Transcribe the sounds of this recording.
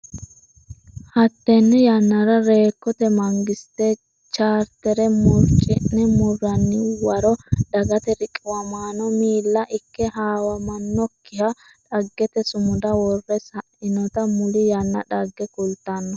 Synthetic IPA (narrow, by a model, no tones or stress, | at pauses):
hɐt̪ːɛnːɛjɐnːɐɾɐɾe̞ːkːɔt̪ɛmɐŋɡɪst̪e | t͡ʃaːɾt̪ɛɾɛmʊɾt͡ʃʼɪnːɛmʊrːɐnːɪwɐɾɔd̪ɐɡɐt̪ɛɾɪkʼːɪwɐmaːnɔmiːlːɐʔɪkːɛhaːwɐmɐnːɔkːɪjɐ | ᶑɐɡːɛt̪ɛsʊmʊd̪ɐwɔrːɛsɐʔɪnɔt̪ɐmʊlɪjɐnːɐ̰ᶑɐɡːɛkʊlt̪ːɐnːɔ